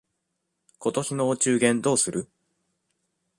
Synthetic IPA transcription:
kʰo̞t̪o̞çino̞ːt͡ɕɨːɡẽ̞nd̪o̞ːsɨɾɯ̟

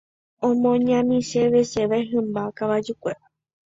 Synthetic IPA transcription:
õmõɲãmĩʃeʋeʃeʋaeɦɨ̃mbakaʋad͡ʒukʷea

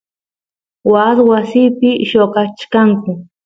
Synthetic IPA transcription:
waswasiːpɪʃokat͡ʃkaŋkʊ

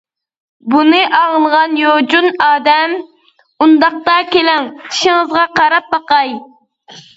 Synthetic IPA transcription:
bunɨʔɑʁəlˠʁɑnjod͡ʒunɑːd̪ɛm | und̪ɑq̚t̪ɑkʲelɛŋt͡ʃʰi̥ʃɪŋɨzʁɑqʰɑɾɑp̚bɑqɑj

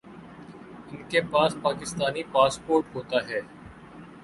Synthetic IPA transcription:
ɪnkepaːspaːkɪst̪aːnipaːspoːɾʈɦoːt̪aɦɛː

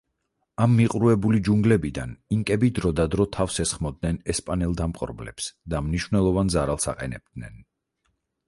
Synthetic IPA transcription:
amːiqʼɾuɛbulid͡ʒuŋɡlɛbid̪a̰niŋkʼɛbid̪ɾɔd̪ad̪ɾɔt̪ʰafsɛsχmɔd̪̚nɛnɛspʼanɛlˠd̪amqʼɔ̰ɾblɛ̰psd̪amniʃvnɛlˠɔvanzaɾalˠsa̰qʼɛnɛ̰b̚d̪̥nɛn

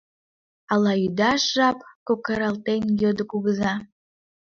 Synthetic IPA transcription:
ɑlɑyd̪ɑʃʒɑpkokɑɾɑlt̪enjød̪əkuɣəzɑ

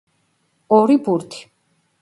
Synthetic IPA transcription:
ɔɾibuɾt̪ʰi̥

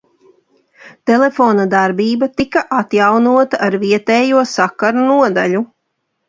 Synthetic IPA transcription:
t̪elefoːnad̪aɾbiːbat̪ikaʔat̪jawnuɔt̪aʔaɾviɛt̪ɛːjuɔsakaɾunuɔd̪aʎu

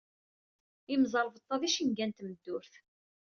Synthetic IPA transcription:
imzˤɑɾˤvət̪ˤːɑðiʃinɡænt̪məd̪ːʊɾθ

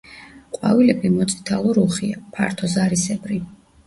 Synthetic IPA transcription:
qʼwa̰vilɛbimɔt̪sʼi̥t̪ʰalˠɔɾuχiapʰaɾt̪ʰɔzaɾisɛbɾi

